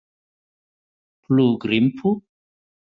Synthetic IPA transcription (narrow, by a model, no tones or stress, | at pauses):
kluɡɾimpʰu